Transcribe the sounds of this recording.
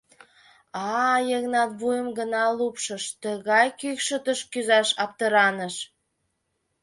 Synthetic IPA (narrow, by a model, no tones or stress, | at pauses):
ɑjəɣnɑt̪βujəmɡənɑlupʃəʃt̪əɣɑjkykʃət̪əʃkyzɑʃɑp̚t̪əɾɑnəʃ